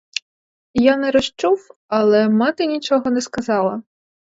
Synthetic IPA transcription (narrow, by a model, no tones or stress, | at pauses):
janɛɾɔʃt͡ʃuwɐlˠɛmɑt̪ɪnʲit͡ʃɔɦɔnɛskɐzɑlˠɐ